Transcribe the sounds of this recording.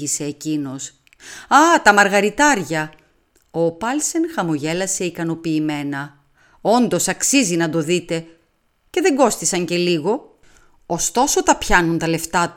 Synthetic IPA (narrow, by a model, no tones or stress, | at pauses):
ise̞ːcino̞s | ɐt̪ɐmɐɾɣɐɾit̪ɐɾʝɐ | opɐlse̞nxɐmoʝe̞lɐse̞ikɐno̞piːme̞nɐ | o̞nd̪o̞sɐksizinɐd̪o̞ðit̪e̞ | ce̞ðe̞ŋɡo̞st̪isɐɲce̞liɣo̞ | ost̪o̞so̞t̪ɐpçɐnunt̪ɐle̞ft̪ɐt̪u